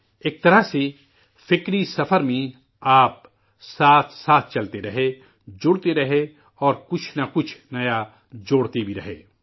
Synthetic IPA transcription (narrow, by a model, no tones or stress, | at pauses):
eːk̚t̪ɐɾase | fɪkɾisɐfəɾmẽ | aːp̚ | saːt̪ʰsaːt̪ʰt͡ʃɐlt̪eɾɐɦe | d͡ʒʊɽt̪eɾɐɦe | ɔːɾkʊt͡ʃʰnakʊt͡ʃʰnɐja | d͡ʒoːɽt̪ibʱiɾɐɦḛː